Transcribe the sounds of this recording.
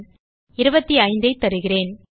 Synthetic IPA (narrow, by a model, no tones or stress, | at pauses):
ɪɾɯbɐt̪ːiɐɪnd̪ɐɪt̪ːɐɾɯɣɪreːn